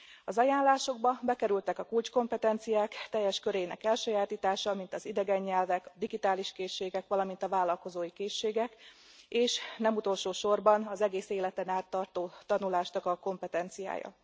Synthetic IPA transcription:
ɒzɒjaːnlaːʃo̞ɡ̚bɒbɛkɛɾylt̪ɛkɒkult͡ʃko̞mpɛt̪ɛnt̪sijaːkt̪ɛjːɛʃkøɾeːnɛ̰kɛlʃøjaːt̪iːt̪aːʃɒmint̪ɒzid̪ɛɡɛɲːɛlvɛkɒd̪iɡit̪aːliʃkeːʃːeːɡɛkʋɒlɒmin̪t̪ɒvaːlːɒlko̞zoːjikeːʃːeːɡɛkeːʃnɛmut̪o̞lʃoːʃo̞rbɒnɒzɛɡeːseːlɛt̪ɛnaːt̪ːɒrt̪oːt̪ɒnulaːʃnɒkɒko̞mpɛt̪ɛnt̪sija̰ːjɒ̰

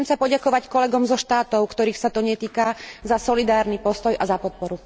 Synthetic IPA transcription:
ɛmsapɔɟakɔʋackɔlɛɡɔmzɔʃt̪aːt̪ɔʊkt̪ɔɾiːxsat̪ɔɲɛt̪iːkazasɔlid̪aːɾnipɔst̪ɔjazapɔt̪̚pɔɾu

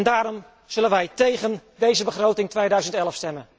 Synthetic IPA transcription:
ndaːɾɔm | z̥ɵlənʋɛjtejɣəndejzəbəχrowtɪŋtʋejdœɥzəntɛlˠəfstɛmən

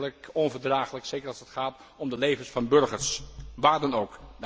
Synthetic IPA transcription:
ləkɔnvəɹdraːχələksejkəɹɑlˠsətχaːt | ɔmdəlejvənsfɑnbɵɹχəɹsʋaːɹdɑnowk

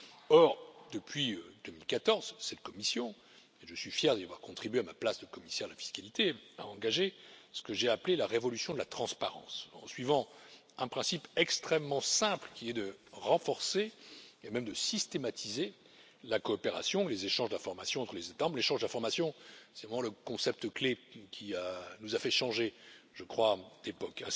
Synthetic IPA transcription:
ɔʁd̪əpɥiød̪əmilkat̪ɔʁzsɛt̪̚kɔmisjɔ̃ | eʒəsɥifjɛʁd̪iavwa̰ʁkɔ̃t̪χibɥeamaplasd̪əkɔmisɛʁd̪əlafi̥skalit̪ʰea̰ɑ̃ɡaʒesə̥kəʒɛaplelaʁevɔlysjɔ̃d̪əlat̪χɑ̃spaʁɑ̰̃sɑ̰̃sɥivɑ̃ | ɛ̃pχɛ̃sipɛkst̪χɛmːɑ̃sɛ̃plkʲiɛd̪əʁɑ̃fɔʁseemɛmd̪əsist̪emat̪ʰize | lakɔːpeʁa̰sjɔ̃lezeʃɑ̃ʒd̪ɛ̃fɔʁmasjɔ̃ɑ̃t̪χəlezet̪amɑ̃bleʃɑ̃ʒd̪ɛ̃fɔʁmasjɔ̃sɛvʁɛmɑ̃ləkɔ̃sɛp̚t̪əklekʲʰianuzafɛʃɑ̃ʒeʒ̥əkχwad̪̥epɔkɛ̃

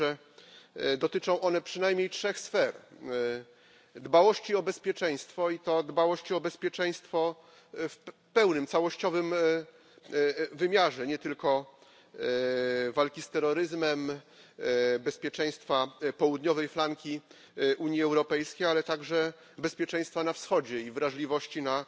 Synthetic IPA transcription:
ɛ | d̪ɔt̪ɘt͡ʂɔ̃w̃ʔɔnɛpʂɘnajmʲɲejtʂɛxsfɛɾ | d̪bawɔɕt͡ɕiɔbɛspʲjɛt͡ʂɛj̃st̪fɔit̪ɔd̪bawɔɕt͡ɕiɔbɛspʲjɛt͡ʂɛj̃st̪fɔ | f | pɛwnɘmt̪sawɔɕt͡ɕɔvɘm | vɘmʲjaʐɛɲɛt̪ɘlkɔ | valkʲist̪ɛɾːɔɾɘzmɛm | bɛspʲjɛt͡ʂɛ̃j̃st̪fapɔwud̪ɲɔvɛjflaŋkʲi | ʔuɲjiɛwɾɔpɛjskʲejalɛt̪aɡʐɛ | bɛspʲjɛt͡ʂɛ̃j̃st̪fanafsxɔd͡ʑɛivɾaʐlʲivɔɕt͡ɕina

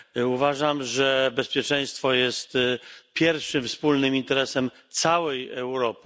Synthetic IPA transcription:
uvaʐamʐɛbɛspʲjɛt͡ʂɛj̃st̪fɔjɛst̪pʲjɛɾfʂɘmfspulnɘmint̪ɛɾɛsɛm | t̪sawɛjɛwɾɔpɘ̥

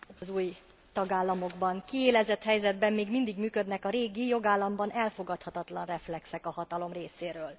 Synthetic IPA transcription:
zuːj | t̪ɒɡaːlːɒmo̞ɡbɒŋkieːlɛzɛt̪hɛjzɛd̪bɛmːeːɡmind̪iɡmyːkø̞d̪nɛkɒɾeːɡijo̞ɡaːlːɒmbɒnɛlfo̞ɡɒt̪hɒt̪ɒt̪lɒnrɛflɛksɛkɒhɒt̪ɒlo̞mreːseːɾøːl

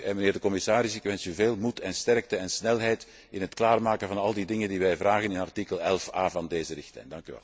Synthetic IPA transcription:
ɛnməneːrdəkɔmɪsaːɾɪsɪkʋɛnsyveːlˠmutʰɛnstɛrk̚təɛnsnɛlɦɛjt | ɪnɦətklaːrmaːkəvɑnɑlˠdidɪŋəndiʋɛjvraːɣənɪnɑrtikəlˠɛlˠfaːvɑndeːzərɪxtlɛ̰jndɑŋkyʋɛ̰l

